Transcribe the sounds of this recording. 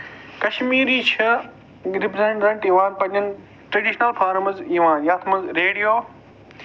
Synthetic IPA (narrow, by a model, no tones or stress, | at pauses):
kɐʃmiːɾiːt͡ɕʰɐ | ɡɾɪpzɐ̃ːɳɖɾɐ̃ɳʈiːʋãːnpɐ̃ɲɐn | ʈɾɐɖiːʃnɐlfʰaːɾmɐziːʋãːnjaːt̪ʰmɐzɾeːɽijoː